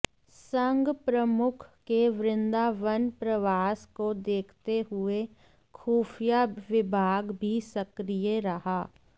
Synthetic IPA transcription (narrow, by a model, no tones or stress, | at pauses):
sə̃ŋɡpɾəmʊkʰkeʋɾɪ̃nd̪aʋənpɾəʋaːskod̪eːkʰt̪eɦʊe | kʰuːfijaʋɪbʱaːɡbʱisɐkɾijəɾɐɦaː